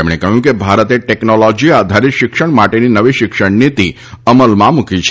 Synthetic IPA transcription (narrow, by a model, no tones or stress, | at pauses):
emɽ̃ekəɦjũkebʱaɾət̪eʈeknolɔd͡ʒiad̪ʱaɾikʃɪkʃəɳ̃maʈeninəʋiʃɪkʂəɳnit̪i | əməlmãmukit͡ʃʰ